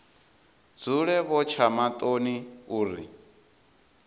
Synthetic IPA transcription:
d͡zuɺɛβɔt͡ʃʰamat̪ʼoniuːɾi

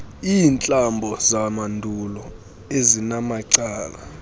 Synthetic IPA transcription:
iːnt͡ɬʼambʱɔzamandʱulɔ | ezinamaǀaːla

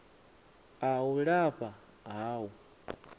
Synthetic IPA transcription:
awuɺapa | aːwu

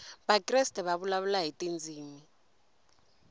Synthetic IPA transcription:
bakʼrɛstɛβaβulaβulaɦitʼind͡zʱiːmi

